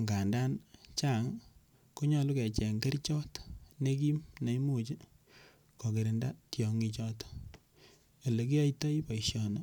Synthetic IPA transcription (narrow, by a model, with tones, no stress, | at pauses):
ŋɡa˨nda˦nt͡ʃa˦˨ŋ | ko˦ɲɔ˨lu˦kɛ˨t͡ʃɛ˨ŋɡe˦rt͡ʃɔ˦tne˦k̬i˦mna˨i˦mu˦t͡ʃɪ˦ | kɔ˨ke˨ɾɪ˨nda˦tjɔ˨ŋi˧t͡ʃɔ˦t | e˨le˨k̬i˦a˦jta˦jpa˨iʃjɔ˨na˨